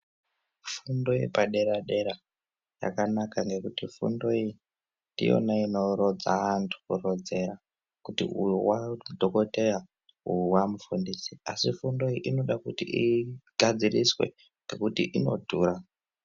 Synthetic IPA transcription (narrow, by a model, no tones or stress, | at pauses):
fundo̞jḛpaɗe̞ɾaɗe̞ɾa | ja̰kanakaŋɡe̞kutifṵndo̞i | ndḭo̞̰naino̞ɾod͡zaantʰu̥kurod͡ze̞ɾa | kutḭujuwadʱoko̞te̞ja | ujuwamufundisiasifundo̞iʔino̞ɗakutiʔiɡ̥ʱad͡ziriswḛ | ŋɡekutiʔino̞̰dʱuːɾa